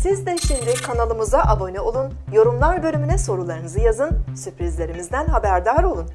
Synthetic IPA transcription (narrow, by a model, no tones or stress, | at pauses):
sizd̪ɛʃimd̪ikʰanalˠɯmɯzaʔabo̞nɛo̞lˠun | jo̞ɾumlˠaɾbø̞lʲymynɛso̞ɾulˠaɾɯnɯzɯjazɯnsypɾizlʲe̞ɾimizd̪ænɦabæɾd̪aɾo̞lˠun